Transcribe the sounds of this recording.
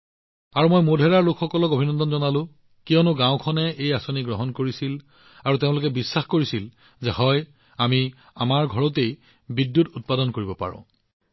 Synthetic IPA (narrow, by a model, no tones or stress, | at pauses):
aɹumojmodʱɛɹaɹlokʰxɔkɔlɔkobʱinɔndɔnzɔnalʊ̃ | kijɔnʊɡãwʊ̃kʰɔnɛejasoniɡɹɔɦɔnkoɹisil | aɹuteʊ̃lʊkɛbisːaxkoɹisil | zɛhɔj | ami | amaɹɡʱɔɹɔt̬ej | bidːutut̚padɔnkoɹibɔpa̰ɹɔ̰̃